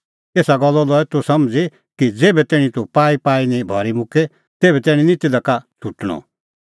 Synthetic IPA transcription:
eːsaɡɔlːɔlɔɛt̪ʊsɐmd͡zi | kid͡zeːbɛt̪ɛːɽ̃ĩt̪upaːipaːinĩbʱɔɾimʊ̃kʰe | t̪eːbɛt̪ɛːɽ̃ĩnɪt̪id̪ɐkat̪ʰuʈɽ̃ɔ̰̃

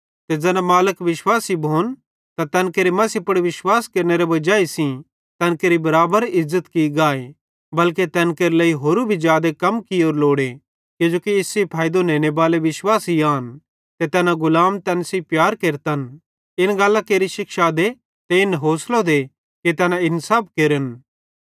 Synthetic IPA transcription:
t̪ed͡ʒɛːnãmaːləkʋɪʃwaːsibʱoːn | t̪at̪ɛːnkeːɾimɐsipɐɽʋɪʃwaːskɐɾneɾeʋɐd͡ʒaːisĩ | t̪ɛːnkeːɾibɐɾaːbəɾɪzːət̪kiɡaːe | bɐlket̪ɛːnkeːɾeləːiɦoːɾubʱid͡ʒjaːd̪ekɐmkioːɾloːɽe | kod͡ʒoːkiɪsːepʰaːjd̪onẽːnebaːleʋɪswaːsiaːn | t̪et̪ɛːnãɡʊlaːmt̪ɛːnsipjaːɾkeːɾt̪ən | ɪnɡaːlːãkeːɾiʃɪkʃad̪e | t̪eɪnɦoːslod̪e | ket̪ɛːnãɪnsaːp̚ʰkeːɾən

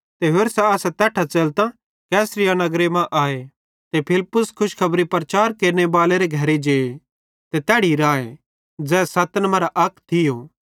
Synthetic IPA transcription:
t̪eɦeːɾsaaːsɛt̪ɛːʈʰat͡ʃeːlt̪ã | kɛːsɾɪjanɐɡɾemãʔaːe | t̪epʰɪlpːʊskʰʊʃkʰɐbɾipɾɐt͡ʃaːɾkeːɾnebaːleɾeɡʱɐɾed͡ʒeːe | t̪et̪ɛːɽiɾaːḛ | d͡zɛːsɐt̪nmɐ̃ɾaʔɐkt̪ʰɪjoː

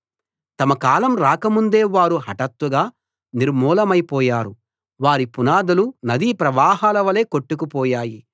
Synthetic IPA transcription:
t̪ɐmɐkaːlɐmɾaːkɐmund̪e̞ːʋaːɾuɦɐʈɐt̪ʋɐɡaː | niɾmuːlɐmɐjpɔːjaːɾu | ʋaːɾipunaːd̪ɐlunɐd̪ipɾɐʋaːɦaːlɐʋɐle̞ːkoʈːukupɔːjaːji

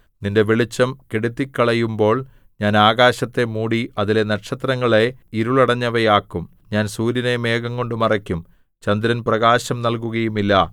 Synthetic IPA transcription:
ninde̞ʋeɭit͡ɕːɐmkeɽut̪ːikːɐɭɐjumbo̞ːɭ | ɲaːnaːɣaːɕɐt̪ːe̞muːɽiɐðile̞nɐʈʂɐt̪rɐŋːɐɭeiɾuɭɐɽɐɲːɐʋɐjaːkːum | ɲaːnsuːɾjɐneme̞ːɣɐŋko̞ɳɖɨmɐrɐkʲːum | t͡ɕɐnd̪ɾɐnprɐɣaːɕɐmnɐlkuɣɐjumilːɐ

